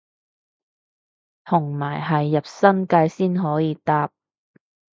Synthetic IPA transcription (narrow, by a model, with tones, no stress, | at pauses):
t̪ʰʊ˨˩ŋmaː˨˩jɦɐ˨jːɐ˨p̚sɐ˥nkaː˧jsiː˥nɦɔː˨˥jiː˨˧t̪aː˧p̚